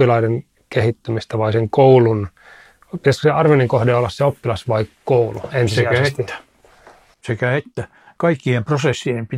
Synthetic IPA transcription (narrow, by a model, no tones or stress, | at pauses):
ilɑiden | kehit̪ːymist̪æʋɑiseŋkoulun | pit̪æskoseɑrʋeniŋkohdeolːɑsseopːilɑsʋɑikkouluensiseææsæ̥ | sekæet̪ːæ | kɑikːiemprosesːiempi